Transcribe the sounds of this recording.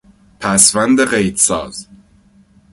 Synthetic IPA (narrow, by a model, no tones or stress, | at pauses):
pʰæsvænd̪eɢejt̪sɒːz̥